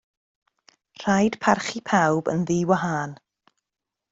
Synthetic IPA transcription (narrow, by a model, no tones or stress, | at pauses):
r̥ajd̥pʰarχipʰawbə̰nðiːwaɦaːn